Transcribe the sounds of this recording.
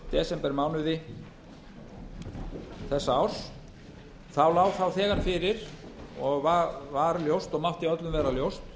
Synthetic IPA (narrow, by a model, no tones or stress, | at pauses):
t̪ɛsɛmpɛɾmaːwnʏðɪ | θɛsːaawɾ̥s | θawlaːwθawθɛːɣanfɪɾɪɾɔɣvavaɾljowst̪ɔɣmaht̪iœt̪lʏmvɛːɾaljowst̪